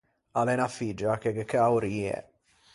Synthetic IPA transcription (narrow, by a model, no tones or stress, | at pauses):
alɛnafid͡ʒakeɡekeauɾiːɛ̰